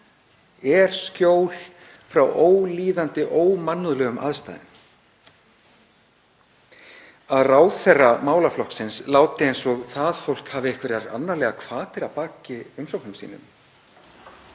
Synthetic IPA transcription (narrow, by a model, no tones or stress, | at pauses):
ɛɾ̥scoːwl̥ | fɾawʔoːwliːðant̪ɪʔoːwmanːʏðlœːɣʏmʔa̰ðst̪a̰jðɪn | aðraːwθɛrːamaːwlaflɔhksɪnslaːwt̪ɪejnsɔɣθaðfowl̥khaːvɪɪhkvɪɾaɾa̰nːalɛːɣakʰvaːt̪ɪɾapaːcɪʏmsɔwhknʏmsḭːnʏ̰m